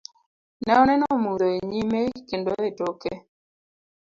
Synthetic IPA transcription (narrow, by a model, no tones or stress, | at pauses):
nɛɔnɛnɔmuɾoeɲimekendoetoke